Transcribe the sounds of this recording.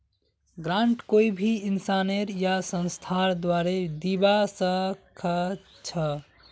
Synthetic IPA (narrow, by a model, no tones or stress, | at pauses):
ɡɾãɳʈkoibʱiinsaneɾjasə̃nst̪ʰaɾd̪waɾed̪ibasəkʰə | t͡ʃʰə